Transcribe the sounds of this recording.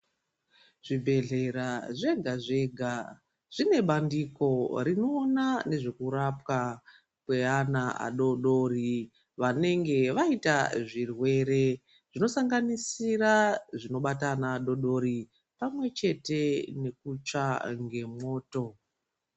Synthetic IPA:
ʐ̥ibʱe̞ɮe̞ɾaʐe̞ɡʱaʐe̞ɡʱa | ʐ̥ine̞ɓandiko̞rino̞ːnane̞ʐe̞kuɾapwa | kwe̞anaa̰ɗo̞ɗo̞ri | ʋane̞ŋɡe̞ʋaitaʐirwe̞ɾe̞ | ʐ̥ino̞saŋɡanisiraʐino̞ɓatanaːɗo̞ɗo̞ɾi | pamwe̞t͡ʃe̞te̞ne̞k̚ut͡ʂaŋɡe̞mo̞ːto̞

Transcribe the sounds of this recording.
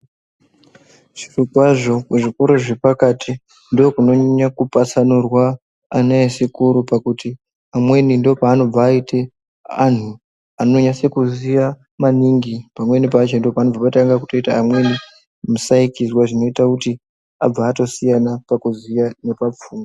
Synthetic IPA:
ʐ̥irukwaʐo̞kuʐiko̞ɾoʐepakatʰi | ndoːkuno̞ɲakupasanurwaː | naesikuɾupakuti | amwe̞nindo̞paːno̞b͡vaːite̞ | an̤u | ano̞ɲase̞kuzija | maniŋɡipamwe̞nipat͡ʃendo̞paːnob͡vapataŋɡakuto̞itaːmwe̞ni | musaikizwaʐino̞itakuti | a̰b͡vaːto̞sijanapakuzijane̞pap͡fuːmo

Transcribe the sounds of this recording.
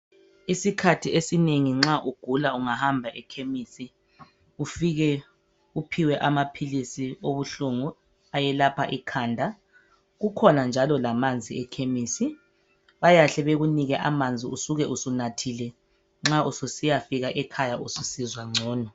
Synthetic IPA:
isikʰatʰiesineŋiŋ͡ǁaʔuɡ̥ʱulauŋahambʱaʔɛkʰemisi | ufiɣɛ | upʰiwɛʔamapʰilisioβuɬuŋu | ajɛlapʰa̰ʔikʰaːndʱa | ɣukʰɔnand͡ʒʱalɔlamand͡zʱiɛkʰemiːsi | βajaɬɛβeɣuniɣɛʔamand͡zʱiusuɣɛʔusunatʰilɛ | ŋ͡ǁaususijafiɣaʔɛkʰajaususizwaŋ͡ǀʱɔːnɔ

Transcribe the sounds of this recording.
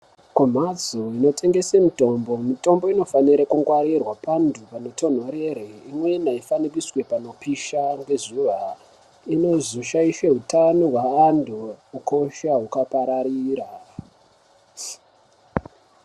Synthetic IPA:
kum̤ad͡zo̞ino̞tʰe̞ŋɡe̞semito̞mbo̞mito̞mbo̞ino̞faniɾakuŋɡwaɾirwapandupanoto̞n̤o̞ɾe̞ɾeimwe̞naifanikiswe̞pano̞piʃaŋɡe̞zuʋa | ino̞zuʃaiʃe̞ɦutanoɦwaːndʱoːkʰo̞ʃaɦukapaɾaɾiːɾa

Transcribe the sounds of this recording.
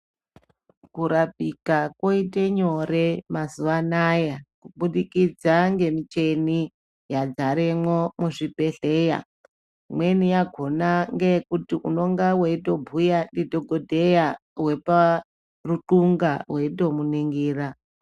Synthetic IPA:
kuɾap̚ikako̞iteɲo̞ɾe̞mazuʋanajakuɓuɗikid͡zaŋɡe̞mit͡ʃe̞ni | jad͡zaɾemwo̞muʐipe̞ɬe̞ja̰ | mwe̞nijaɡʱo̞naŋɡe̞kutiʔuno̞ŋɡawe̞ito̞bʱujaɗidʱo̞ɡʱodʱe̞jaɦwe̞pa | ruǃuŋɡaɦwe̞ito̞muniŋɡiːra

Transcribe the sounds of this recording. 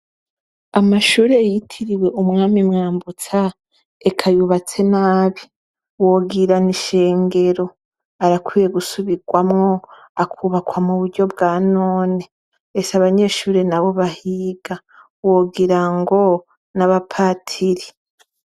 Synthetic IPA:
amaʃuːɾe̞jitʰiɾiwe̞ʔumŋaːmimŋaːmbut͡sa | ekʰajuβat͡se̞naːβi | woːɡiɾaniʃe̞ːŋɡe̞ɾo̞ | aɾakwije̞ɡusuβiɡwamŋo̞ | akʰuːβakwamuβuɾɟo̞bɡaːnoːne | ɾesaβaɲe̞ːʃuːɾe̞naβo̞βahiːɡa | woːɡiɾaŋɡo̞ | naβapʰatʰiɾi

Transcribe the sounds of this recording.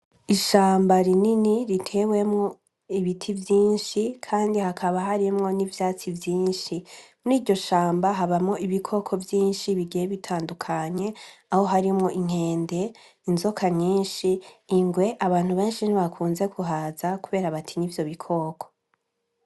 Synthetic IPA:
iʃaːmbaɾininiɾitʰe̞we̞mŋo̞ | iβitʰivjiːnʃikʰaːndihakʰaβaɦaɾimŋo̞nivjaːt͡sivjiːnʃimniːɾɟo̞ʃaːmbaɦaβamŋo̞iβikʰo̞kʰo̞vjiːnʃiβiɡijeβitʰaːndukʰaɲe̞aho̞ɦaɾimŋo̞ʔiŋ̥he̞ːnde̞ | inzo̞kʰaɲiːnʃiːŋɡwe̞ʔaβaːn̥huβe̞ːnʃiniβakʰuːnze̞kʰuɦaːzakuβe̞ːɾaβatʰiɲivjo̞βikʰo̞ːkʰo̥

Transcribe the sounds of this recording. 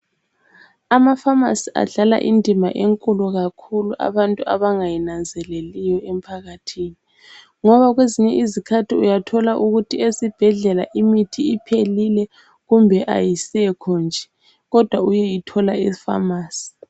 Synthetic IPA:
amafama̰sia̰ɮala̰ʔindʱima̰ʔeŋkʼuluɣakʰuluʔa̰βantʼua̰βaŋajinand͡zʱɛlelijɔem̩pʰaɣatʰiːni | ŋɔβaɣweziɲɛʔizikʰatʰiujatʰɔlaʔuɣutʰiesib̥ʱɛɮɛlaʔimitʰiːpʰelilɛ | ɣumbʱɛʔa̰jisɛkʰɔnd͡ʒʱɛ | ɣɔd̥ʱwaujɛjitʰɔlaifa̰maːsi̥

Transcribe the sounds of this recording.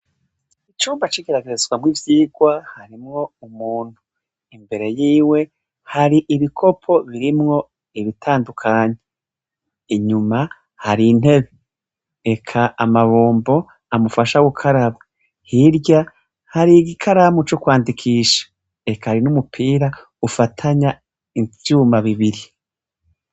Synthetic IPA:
it͡ʃuːmbat͡ʃiɡeɾaɡeɾezɡwamŋivjiːɡwahaɾimŋo̞umuːn̥hu | imbe̞ɾe̞jiːwe̞ | haɾiʔiβikʰo̞pʰo̞βiɾimŋo̞ | iβitʰaːndukʰaːɲe | iɲuma | haɾin̥he̞βe | ekʰaʔamaβoːmbo̞ | amufaʃawukʰaɾaβa | hiɾɟa | haɾiɡikʰaɾamut͡ʃokwaːndikʰiːʃḁ | e̞kahaɾinumupʰiːɾa | ufatʰaɲa | iuːmaβiβiɾi

